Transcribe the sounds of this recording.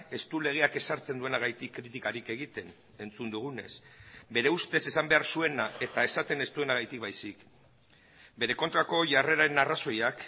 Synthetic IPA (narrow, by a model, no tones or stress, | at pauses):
e̞st̪ule̞ɣ̞e̞ake̞saɾt͡se̞nd̪ue̞naɣajt̪ikːɾit̪ikaɾike̞ɣ̞it̪e̞n | e̞nt͡sund̪uɣ̞une̞̰sbe̞ɾe̞ust̪e̞se̞sambe̞aɾsue̞nae̞t̪ae̞sat̪e̞ne̞st̪ue̞naɣ̞ajt̪ik̚bajsik | be̞ɾe̞ko̞nt̪ɾako̞ʝare̞ɾaenaraso̞jak